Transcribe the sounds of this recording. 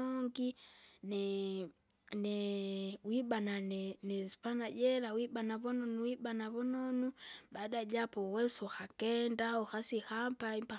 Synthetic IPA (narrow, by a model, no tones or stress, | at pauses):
oŋɡine | newibananenesi̥panaɟeɾawibanaβononuwibanaβononubadaɟapoweusoxakendaoxasixampaimpa